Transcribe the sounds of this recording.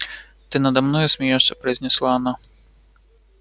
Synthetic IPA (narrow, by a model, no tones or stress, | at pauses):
t̪ɪnɐd̪ɐmnɔjʊsʲmʲijɔʂsʲɐpɾɪzʲnʲislˠanɔ